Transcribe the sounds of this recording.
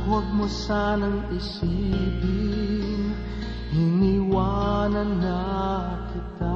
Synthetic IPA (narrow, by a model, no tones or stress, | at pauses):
ɦoɡ̚mosaːnɐŋɪsibiŋ | hɪniwanɐnːa | kɪt̪a